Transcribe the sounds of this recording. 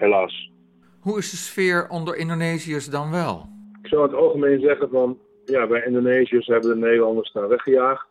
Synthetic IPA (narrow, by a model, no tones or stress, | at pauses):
helaːs | huɪsdəsfɪːɹɔndəɹʔɪndoneːziəsdɑnʋɛlˠɪksɔwətɑlˠɣəmeːnzɛɣənfɔn | jaʋɛjɪndoneːziəshɛbəndənedəlˠɑndəɹstaʋɛχxəjaːxt